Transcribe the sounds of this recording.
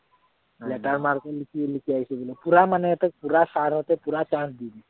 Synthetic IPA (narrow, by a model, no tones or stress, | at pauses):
let̪aɾmaɾkəlikilikjajsəbiləpuɾamanet̪ək̚puɾasaɾət̪epuɾat͡ʃãnsd̪id̪i